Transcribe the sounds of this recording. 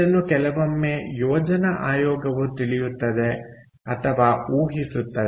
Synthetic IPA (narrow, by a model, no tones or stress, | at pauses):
ɐnːukɛlɐʋɐmːeːjɔːd͡ʒɐnɐʔaːjɔːɡɐʋut̪iɭijut̪ːɐd̪e̞ | ɐt̪ʰɐʋaːuːɦisut̪ːɐ